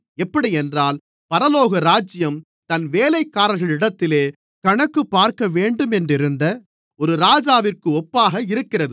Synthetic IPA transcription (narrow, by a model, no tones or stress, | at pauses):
ɛpːɐɽiɛndraːl | pɐɾɐloːɣɐɾaːd͡ʒɪjɐm | t̪ɐnʋeːlɐɪkːaːɾɐɾɣɐɭɪɽɐt̪ːɪleː | kɐɳɐkːɯpːaːɾkɐʋeːɳɖɯmɛndrɪɾɯnd̪ɐ | ɔɾɯɾaːd͡ʒaːʋɪrkɯɔpːaːɣɐɪɾɯkːɪrɐðɯ